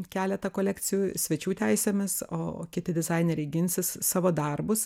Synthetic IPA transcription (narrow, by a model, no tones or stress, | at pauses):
kʲæːlʲɛt̪ɐkoːlʲɛːkt͡s̪ʲɪjuːsʲʋʲɛt͡ʃʲuːt̪ʲæɪsʲeːmʲɪso̰ːkʲɪt̪ʲɪd̪ʲɪzɐɪnʲɛɾʲɛɪɡʲɪnʲsʲɪssɑːʋoːd̪ɐrbʊs